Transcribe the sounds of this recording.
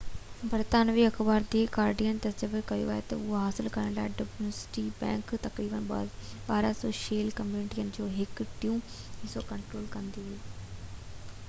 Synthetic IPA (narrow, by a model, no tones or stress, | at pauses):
bəɾt̪aːnʋiːəkʰbaːɾd̪eːɡaːɾɖijənt̪ɐɾzəʋəɾkɐjo̰ːɛːt̪ɐ̰ʊɦaɦaːsɪlkəɾəɳla̰ːɖobnəsɪ̥ʈiːbɛ̰̃ːŋkt̪ɐkɾiːbənb̰baːɾaːsɔːʃeːlkəmjuːnɪʈijənd͡ʒoːɦɪkʈijũ | ɪsoːkəɳʈɾoːlkənd̪iːɦeː